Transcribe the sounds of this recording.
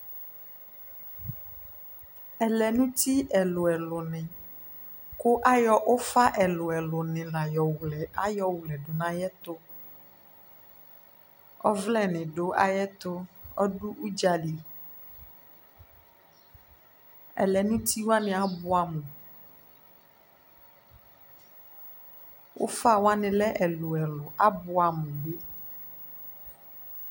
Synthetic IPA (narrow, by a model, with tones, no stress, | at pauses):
ɛ˨lɛ˨nũ˦t̪i˦ɛ˨lo˨ɛ˨lʊ˨nɪ̃˨ | ko˦ʔa˦jɔ˦ʔo˦fa˦ʔɛ˨lo˨ɛ˨lʊ˨nɪ̃˨la˨jɔ˨wu˨lɛ˨a˦jɔ˦wu˨lɛ˨ɖo˨nã˦jɛ˦t̪o˦ | ɔ̰˦vlɛ˦nɪ̃˨ɖo˦ʔa˨jɛ˦t̪o˦ɔ˦ɖu˦ʔu˦d͡ʒa˨li˨ | ɛ̰˨lɛ˨nũ˦t̪i˦wa˦nɪ̃˨a˨bu˨a˨mũ˨ | wʔo̰˦fa˦˨wa˦nɪ̃˨lɛ˦ʔɛ˨lo˨ɛ˨lo˨a˦bo˨a˨mũ˨be˦